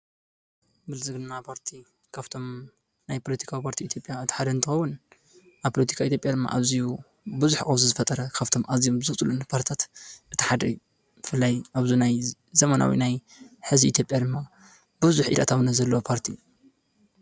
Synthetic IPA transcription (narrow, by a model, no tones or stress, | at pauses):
bɨlzɨɡnnːapʰaɾt̪ʰi | kʰaβt̪ʰo̞m | najpʰo̞lɐt̪i̥kʰawipʰaɾt̪ʰiit̪ʰʲjo̞pʼjaɨt̪ʰħad̪ɐnt̪ʰɨxɐwːʊn | ʔaβpʰolɐt̪ʰi̥kʰait̪jo̞pʼjad̪ɨmːa̰ʔaβziju | bɨzuħkʼɐβzuzɨfɐt̪ʼɐɾɐkʰaβt̪ʰo̞mʔazijombɨzɨt͡sʼulunpʰaɾt̪ʰi̥t̪ʰat̪ʔɨt̪ʰɨ̥ħad̪ɐju | bɨfɨlːajʔaβzunaj | zɐmɐna̰wḭnajħɨziḭt̪ʰjo̞pʼjad̪ɨmːa | bɨβzuħʔḭd̪a̰t̪ʰawnazɐlːɐwopʰaɾt̪ʰi